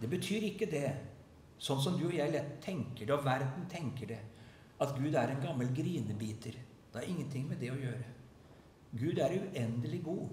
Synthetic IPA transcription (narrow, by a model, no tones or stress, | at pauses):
d̪ɛbət̪ʰyːɾɪkːəd̪ɛ | sɔnːs̬ɔmd̪ʉɔjæɪlɛt̪ʰːɛŋkəɖɑʋæɾd̪n̩t̪ʰɛŋkəɖɛ | ɑt̪ɡʉːd̪æɾɛnɡɑmːəlɡɾiːnəbiːt̪ʰəɾ | d̪̥ɛɑɾɪŋːənt̪ʰɪŋːmɛd̪ɛɔjøːɾə | ɡʉːd̪æɾʉʔɛnd̪əlɪɡuː